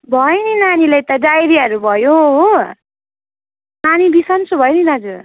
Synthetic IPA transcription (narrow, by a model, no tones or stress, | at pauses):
bʱʌjninanilajt̪ʌɖajɾiɦʌɾubʱʌjoɦ | nanibisʌnt͡sʰubʱʌjninad͡zu